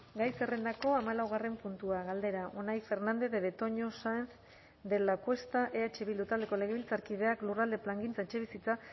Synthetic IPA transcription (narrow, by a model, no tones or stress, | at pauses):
ɡajse̞re̞nd̪ako̞amalawɣare̞mpunt̪uaɣald̪e̞ɾaʔonajfe̞ɾnand̪e̞ðeðet̪o̞ɲo̞sanf | d̪e̞lakwe̞st̪aʔe̞at͡ʃeβild̪ut̪ald̪e̞ko̞le̞ɣ̞e̞βilt͡saɾkið̞e̞aklurald̪e̞plaŋɡint͡saet͡ʃe̞βisit͡sa